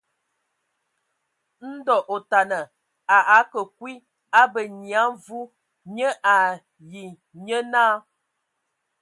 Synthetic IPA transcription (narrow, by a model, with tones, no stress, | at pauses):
n̩˦dɔ˨ʔo˨ta˨nə˨ | a˨ʔa˨˦kə˨kwi˦ | a˦bə˨ɲja˨˦vu˦ | ɲə˦ʔa˨ | ji˨ | ɲə˦naː˦